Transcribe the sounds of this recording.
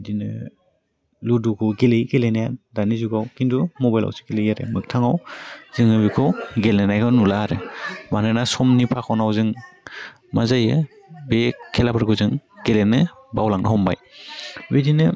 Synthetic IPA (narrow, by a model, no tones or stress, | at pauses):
dinɯ̰ | ludukʰɔɡelejɡelenajandanizuɡawkindumɔbajla̰wsɯ̥ɡelejaɾḛmɯk̚tʰaŋawz̥ɯŋɯbikʰɔwɡelnanajkʰawnulaɾɯmanɯnasɔmnipʰakʰɔwnawzɯŋ | mazajɯ | bekʰːelapʰaɾɡʰuzɯŋɡ̥elenɯ | bawlaŋnɯɦɔmba̰jwidinɯ